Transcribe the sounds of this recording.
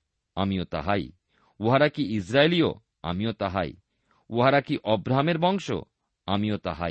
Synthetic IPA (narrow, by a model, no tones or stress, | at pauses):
amiot̪a̰ɦaj | oɦaɾakiisɾaelio̰ | a̰miot̪aɦa̰j̰ | oɦaɾakiʔɔbɾaɦameɾbɔŋʃo̰ | amiot̪a̰ɦa̰j